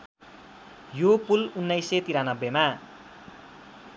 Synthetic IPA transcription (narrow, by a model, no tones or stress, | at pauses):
jopulunːʌjset̪iɾanʌbːema